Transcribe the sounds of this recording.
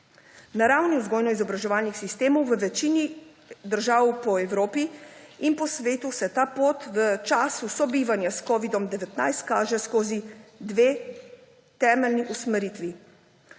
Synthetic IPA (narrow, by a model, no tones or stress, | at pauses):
naɾaːwniwzɡɔːjnɔizɔbɾaʒɛʋaːlnixsist̪eːmɔwʋəʋɛt͡ʃiːni | d̪əɾʒaːwpɔɛwɾoːpiinpɔsʋeːt̪usɛt̪aːpoːt̪ʋət͡ʃaːsusɔbiːʋanjaskɔːʋid̪ɔmd̪ɛʋɛt̪najst̪kaːʒɛskoːzid̪ʋeː | t̪ɛːmɛlniʔusmɛɾiːt̪ʋi